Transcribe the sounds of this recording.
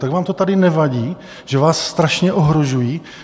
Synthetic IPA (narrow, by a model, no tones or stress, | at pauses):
t̪aɡvaːmt̪ot̪adɪnɛvaɟiː | ʒ̥ɛvaːsːt̪ɾaʃɲɛʔoɦɾoʒujiː